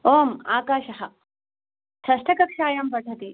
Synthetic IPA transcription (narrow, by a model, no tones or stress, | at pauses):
oːmaːkaːʃɐɦɐ | sɐʂʈɐkɐkʂaːjampɐʈʰɐt̪i